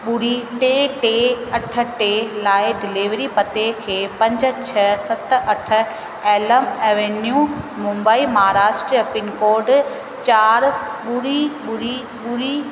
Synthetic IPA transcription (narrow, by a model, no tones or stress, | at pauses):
ɓʊɽiʈeːʈeːɐʈʰə̆ʈeːlaːɪɖɪliʋɾipɐt̪ekʰeːpɐ̃ɲd͡ʑ̆t͡ɕʰɐsɐt̪ʔɐʈʰə̆ | eːləmeːʋenjuː | mʊ̃mbaːimɐɦaːɾaːʃʈɾiɐpɪnkoːɾɖ | t͡ɕaːɾɓʊɽiɓʊɽi | ɓʊɽi